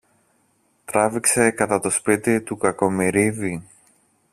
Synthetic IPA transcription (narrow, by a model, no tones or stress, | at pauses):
t̪ɾɐvikse̞kɐt̪ɐt̪o̞spit̪it̪ukɐko̞miɾivi